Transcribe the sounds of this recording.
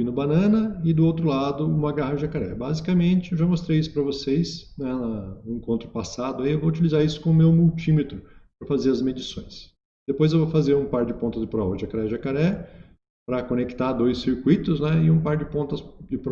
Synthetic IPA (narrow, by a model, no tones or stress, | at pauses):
ĩnʊbanɐ̃nɐɪd̪ʊowt̪ɾʊlad̪ʊumaɡahɐʒakaɾɛ̰bazikɐmẽnt͡ʃɪewʒamost̪ɾejisʊ̥pɾɐvosejsnɛnɐnʊẽŋkõnt̪ɾʊpasad̪ʊaiewvout͡ʃilizaɾisʊ̥kõʊmewmuwt͡ʃimet̪ɾʊpɾɐfazeɾɐzmed͡ʒisõj̃s | d̪̥epojzewvowfazeɾũpaɾd͡ʒɪpõnt̪ɐzd͡ʒɪpɾɔɐʒakaɾɛʒakaɾɛ | pɾɐkonekt̪ad̪ojsːiɾkwit̪ʊznɛɪũpaɾd͡ʒɪpõt̪ɐsd͡ʒɪpɾ